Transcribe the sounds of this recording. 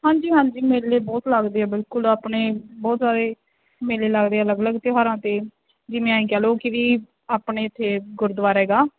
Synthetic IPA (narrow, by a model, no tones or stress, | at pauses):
ɦãːɲd͡ʒiːɦãːɲd͡ʒiːmeːleːbɔːt̪ləɡd̪eːaːbɪlkʊlaːpɳeːbɔːt̪zaːd̪eː | meːleːləɡd̪eːaːləɡələɡt̪ɪɦaːɾãːt̪eː | d͡ʒɪmẽːaːĩːkɛːloːkɪʋiː | aːpɳeːɪt̪ʰːeːɡʊɾd̪ʋaːɾɛːɡaː